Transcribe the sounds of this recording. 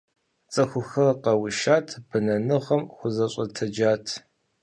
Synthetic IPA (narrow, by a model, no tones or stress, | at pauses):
t͡sʼɐxʷʊxɐrqɐwɪʃaːtʰb̥ɨnɐnɨʁɐmxʷʊzɐɕʷʼɐtʰɐd͡ʒaːtʰ